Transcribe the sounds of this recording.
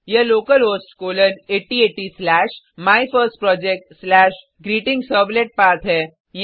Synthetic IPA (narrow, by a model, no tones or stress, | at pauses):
jəloːkəlɦosʈkoləneʈieʈislæʃ | majfəɾsʈ̚pɾɔd͡ʑek̚ʈslæʃ | ɡɾiːʈɪ̃ŋɡsəbleʈ̚paɾt̪ʰɦɛ | j